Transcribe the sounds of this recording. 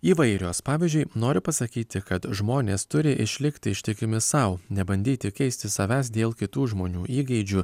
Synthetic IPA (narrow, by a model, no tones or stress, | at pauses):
iːʋɐɪɾʲoːspɑːʋʲiːzʲd͡ʒʲʊɪnoːɾʲɪpɐsɐkʲiːt̪ʲɪkɐt̪ʒmoːnʲeːst̪ʊɾʲɪʔɪʃʲlʲɪkt̪ʲɪɪʃʲt̪ʲɪkʲɪmʲɪsɐʊnʲɛbɐnʲd̪ʲiːt̪ʲɪkʲɛɪsʲt̪ʲɪsɐʋʲæːsd̪ʲeːlˠkʲɪt̪uːʒmoːnʲuːʔiːɡʲɛɪd͡ʒʲʊ